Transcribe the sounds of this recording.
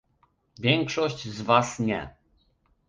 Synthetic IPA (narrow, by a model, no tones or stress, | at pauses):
vʲjɛŋkʂɔɕt͡ɕzvasɲɛ̰